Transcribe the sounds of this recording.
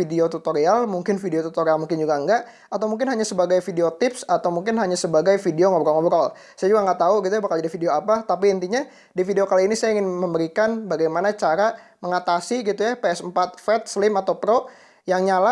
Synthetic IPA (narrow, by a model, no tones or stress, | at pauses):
ideot̪ut̪oɾialmuŋkɪnfideot̪ut̪oɾialmuŋkɪnd͡ʒuɡaəŋɡaʔ | at̪awmuŋk̬ɪnɦaɲasəbaɡajfideot̪ɪpsat̪awmuŋkɪnɦaɲasəbaɡajfideoŋɔbɾɔlŋɔbɾɔl | sajad͡ʒuɡaŋɡaʔt̪auɡit̪̬ujabahkald͡ʒadifideoapat̪ap̬iːnt̪̬iɲa | difideokaliːnisajaiŋɪnməmbəɾikanbaɡajmanat͡ʃaɾaməŋat̪asiɡit̪ujapeɛsəmpat̪̚fɛt̪̚səlɪmat̪awpɾo | jaŋɲala